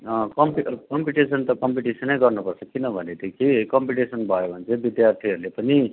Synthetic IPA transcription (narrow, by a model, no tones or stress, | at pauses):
ʌkʌmpikʌmpiʈisʌnt̪ʌkʌmpiʈisʌnejɡʌrnupʌɾsʌkːinʌbʱʌnet̪ekikʌmpiʈisʌnbʱʌjobʱʌnt͡sʰebid̪jaɾt̪ʰiɦʌɾulepʌni